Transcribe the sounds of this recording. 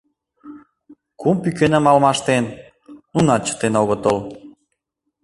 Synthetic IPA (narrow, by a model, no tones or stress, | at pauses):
kumpykenə̆mɑlmɑʃt̪enː | unɑt͡ɕə̥t̪enoɣot̪ol